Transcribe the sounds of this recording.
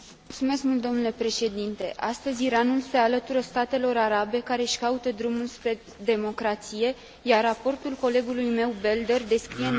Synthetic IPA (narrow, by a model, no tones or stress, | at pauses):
ult̪sume̞skmult̪̚d̪onule̞pɾe̞ʃe̞d̪int̪e̞ʔast̪əzʲiɾanulse̞alət̪uɾəst̪at̪e̞lo̞ɾaɾabe̞kaɾe̞ʃkaut̪əd̪ɾumulspɾe̞ | d̪e̞mo̞kɾat̪sije̞ | jarːapo̞rt̪ulko̞le̞ɡulujme̞wbe̞ld̪ərd̪e̞skɾije